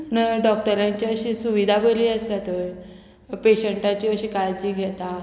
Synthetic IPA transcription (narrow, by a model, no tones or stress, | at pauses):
nəɖɔk̚ʈəɾjaɲt͡ɕiəɕiːsuʋid̪ʱabəliːəsat̪oj | peɕəɳʈat͡ɕiəɕiːkaɾd͡ʑiːɡʱɛt̪a